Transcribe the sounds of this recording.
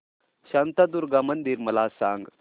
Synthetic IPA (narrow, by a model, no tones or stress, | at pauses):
ɕant̪ad̪uɾɡamənd̪iːɾməlasãŋɡ